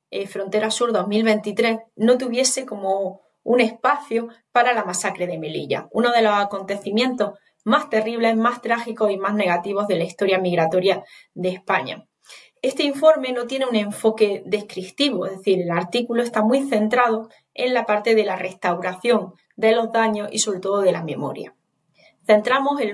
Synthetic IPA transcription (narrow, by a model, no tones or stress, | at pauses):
efɾo̞nt̪e̞ɾasuɾðo̞ɦmilβe̞nt̪it̪ɾe̞sno̞t̪uβje̞se̞ko̞mo̞ | une̞hpaθjopaɾalamasakɾe̞ð̞e̞me̞lḭʝa̰uno̞ð̞e̞lo̞sako̞nt̪e̞θimjẽ̞nt̪o̞h | mast̪e̞riβ̞le̞ɦmast̪ɾaxiko̞simaɦne̞ɣat̪iβ̞o̞ɦðe̞laist̪o̞ɾjamiɣɾat̪o̞ɾjaðehpaɲa̰ | e̞st̪e̞iɱfo̞ɾme̞no̞t̪je̞neunẽ̞ɱfo̞ke̞ðe̞hkɾik̚t̪iβ̞oeɦðeθiɾe̞laɾt̪ikulo̞est̪amwiθe̞nt̪ɾað̞o̞ | e̞̰nlapaɾt̪e̞ðe̞lare̞st̪awɾaθjo̞n | d̪e̞lo̞zðaɲo̞sḭso̞βɾe̞t̪o̞ðoð̞e̞lamẽ̞̰mo̞̰ɾja̰ | θe̞nt̪ɾamo̞se